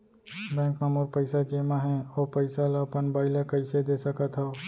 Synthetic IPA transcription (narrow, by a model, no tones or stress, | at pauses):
bɛ̃ːŋkmãmuɾpəɪsad͡ʒemãɦɛ̃opəɪsalapənbaːɪləkəɪsed̪esəkət̪ɦəo